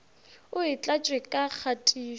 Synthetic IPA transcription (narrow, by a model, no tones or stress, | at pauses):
ʊɪt͡ɬʼat͡ʃʼwɛkʼak͡xʰatʼiː